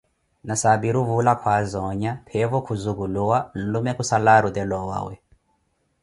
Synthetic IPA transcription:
nasabiɾuvulakʰwazɔɲapʰɛvɔkʰuzuɣuluwan̩lumɛkusalaɾut̪ɛlɔwa̰wɛ̰

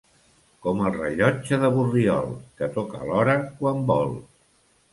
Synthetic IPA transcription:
kɔməlˠrəʎɔt͡ʃəðəβuriɔ̰lˠkət̪ɔkə̰ːlɔɾəkwambɔlˠ

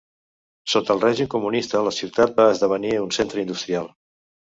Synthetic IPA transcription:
sot̪əlˠrɛʒimkumunist̪ələsiwt̪at̪̚baəzðəβ̞əniunsent̪ɾəind̪ust̪ɾialˠ

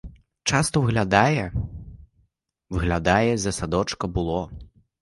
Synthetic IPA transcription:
t͡ʂast̪ɐvɨɣlʲad̪ajɛ | vɨɣlʲad̪ajɛzɐsad̪ɔt͡ʂkɐbɨlˠɔ

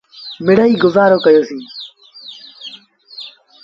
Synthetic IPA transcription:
mɪɽəiːɡʊzaːɾoːkəjoːsĩː

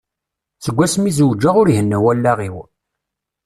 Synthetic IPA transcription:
t͡səɡʷːæsmizəwd͡ʒːaʁʊɾhənːæwælːæʁiw

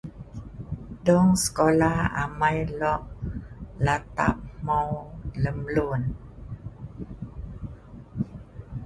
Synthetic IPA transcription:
dɔŋsə̥kolaha̰majlɔʔ | lat̪a̰p̚mawləmlun

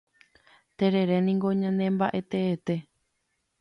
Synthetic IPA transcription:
t̪e̞ɾe̞ɾe̞nĩŋɡo̞ɲãnẽ̞mbaʔe̞t̪eːt̪e̞

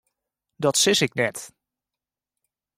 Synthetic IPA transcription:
dɑtsɪsɪknɛt

